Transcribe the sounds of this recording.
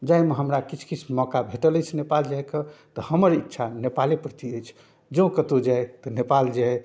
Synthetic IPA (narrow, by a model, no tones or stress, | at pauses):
d͡ʒaimeɦəmɾakit͡ʃʰkit͡ʃʰmɔkabʱeʈələjt͡ʃʰnepald͡ʒajkət̪ɔhəməɾitːʃʰanepalipɾət̪iəjt͡ʃʰ | d͡ʒəũkət̪od͡ʒajt̪ɔnepald͡ʒa